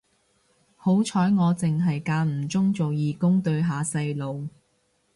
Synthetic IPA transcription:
ho˨˥wt͡ʃʰɔː˨˥jŋɔː˨˧t͡sɪ˨ŋɦɐ˨jkaː˧nm̩˨˩t͡sʊ˥ŋt͡so˨wjiː˨˧kʊ˥ŋt̪ɵ˧ɥɦaː˨sɐ˧jlo˨w

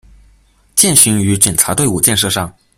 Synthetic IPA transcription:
t͡ɕjɛ˥˩nɕy˧˥ŋy˧˥ʈ͡ʂjɛ˨˩nt͡sʰa˧˥t̪we˥˧ɪu˥˩t͡ɕjɛ˥˧nʂ̬ɤ˥˧ʂɑ˥˩ŋ

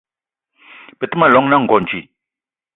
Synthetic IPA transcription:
pe˨t̪ə˦ma˨lɔ˨ŋna˦˨ŋɡo˨ɲt͡ʃi˨

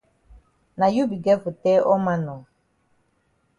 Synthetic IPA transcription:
na˨ju˦bi˨ɡɛ˦vu˨tɛ˦ʔɔ˦ma˦nɔ˨

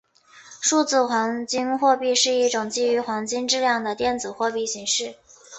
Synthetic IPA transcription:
ʂu˥˧t͡sɹ̩˥˩xwɑ˧˥ŋt͡ɕi˥nxwɔ˥˧pi˥˧ʂɻ̩˥˧i˥˩ʈ͡ʂʊ˨˩ŋt͡ɕi˥˩y˧˥xwɑ˧˥ŋt͡ɕi˥ŋʈ͡ʂɻ̩˥˧ljɑ˥˩ŋd̪ə˩t̪jɛ˥˩nt͡sɹ̩˨˩xwɔ˥˧pi˥˩ɕi˧˥ŋʂɻ̩˥˩

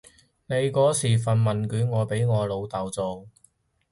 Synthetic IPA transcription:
ne˨˧jkɔː˨˥siː˨˩fɐ˨nmɐ˨˩nkyː˨˧˥nŋɔː˨˧pe˨˥jŋɔː˨˧lo˨˧wt̪aː˨wt͡so˨˧w

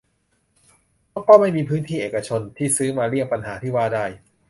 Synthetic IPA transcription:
mɔː˦˥˩kɔː˥˩ma˥˩jmiː˧pʰɯː˦˥nt̪ʰiː˥˩ʔeː˨˩ka˧t͡ɕʰo˧nt̪ʰiː˥˩sɯː˦˥maː˧ɾi˥˩ŋpa˧nɦaː˩˦t̪ʰiː˥˩waː˥˩daː˥˩j

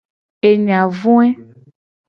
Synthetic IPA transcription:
e˨ɲĩ˨a˨vũ˦ɛ˦

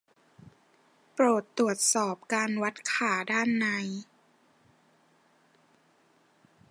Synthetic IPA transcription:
pɾoː˨˩t̪ːɾu˨˩ət̪̚sɔː˨˩p̚kaː˧nwa˦˥t̪̚kʰaː˩˦daː˥˩nːa˧˥j

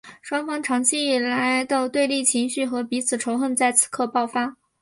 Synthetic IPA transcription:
ʂwɑ˥ŋfɑ˥ŋʈ͡ʂʰɑ˧˥ŋt͡ɕʰi˥i˥˩la˧˥ɪd̪ə˧t̪we˥˧ɪli˥˩t͡ɕʰi˧˥ŋɕy˥˩xɤ˧˥pi˧˥t͡sʰɹ̩˨˩ʈ͡ʂʰo˧˥ʊxə˥˧nt͡sa˥˩ɪt͡s̩ʰ˨˩kʰɤ˥˧pɑ˥˩ʊfa˥

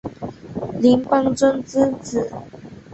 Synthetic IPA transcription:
li˧˥ŋpɑ˥ŋt͡sə˥nt͡sɹ̩˥t͡sɹ̩˨˩˦

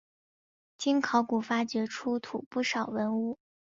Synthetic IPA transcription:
t͡ɕi˥nkʰɑ˧˥ʊku˨˩fa˥t͡ɕɥɛ˧˥ʈ͡ʂʰu˥t̪ʰu˨˩pu˥˩ʂɑ˨˩ʊwə˧˥nu˥˩

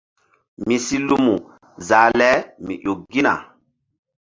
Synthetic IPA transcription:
mi˨si˦lu˦mu˨ | za˨lɛ˦mḭ˨ʔo˨k̚ɡi˦na̰˨

